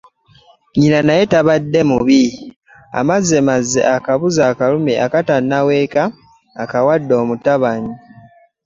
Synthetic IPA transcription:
ɲinanaje̞taβadːe̞muβi | a̰mazːe̞mazːe̞̰ʔakaβuzaːkalume̞ʔakatanːawe̞ːkaː | kawadːo̞ːmutaβaɲi

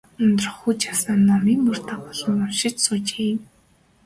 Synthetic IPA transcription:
ɵnt̪ɵ̆r̆χxuːt͡ɕasănnːɔmiːŋmɵr̥t̪aːpɔɮɞ̆nɔmʃɪ̆t͡ɕsʊːt͡ɕeːjm

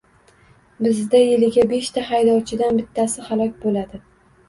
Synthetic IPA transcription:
bɪzd̪ajɪlɪɡʲabe̞ʃt̪ʰaɦajd̪ɒwt͡ʃʰɪd̪anbɪt̪ʰːasɪhalˠɒkʲbolad̪ɪ

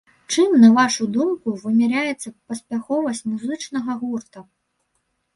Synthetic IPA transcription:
t͡ʂɨmnɐvaʂud̪umkuvɨmʲɛɾʲajɛt̪sːɐpɐsʲpʲaxɔvɐsʲt͡sʲmuzɨt͡ʂnɐɣɐɣurt̪ɐ

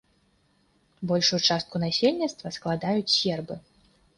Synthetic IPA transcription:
bɔlʲʂut͡ʂast̪̚kunasʲelʲnʲit̪st̪vɐsklˠad̪ajut͡sʲsʲɛrbɨ

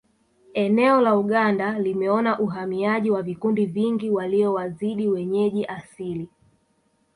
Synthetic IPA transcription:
ɛnɛɔlauɠandalimɛɔnaʔuɦamiaʄiwavikundiviŋɡiwaliɔwaziɗiwɛɲɛʄiʔasili

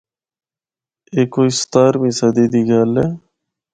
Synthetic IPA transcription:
eːkoːɪst̪aːɾmĩːsəd̪iːd̪iːɡaːleː

